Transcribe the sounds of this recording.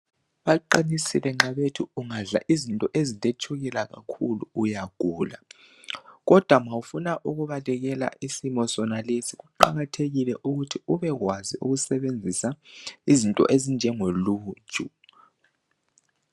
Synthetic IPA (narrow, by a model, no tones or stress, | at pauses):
βaǃinisilɛŋ͡ǁaβetʰuuŋaɮa̰ʔizintʼɔʔezitʼet͡ʃʰuɣilaɣa̰kʰulṵujaɡ̥ʱuːla̰ | ɣɔd̥ʱwamawufunaʔuɣuβalɛɣɛla̰ʔisimɔsɔnalesiɣuǃa̰ɣatʰeɣilɛʔuɣutʰiuβɛɣwaziʔṵɣusɛβend͡zʱisaizintʼɔ̰ʔezind͡ʒʱɛŋolu̥ːt͡ʃʼu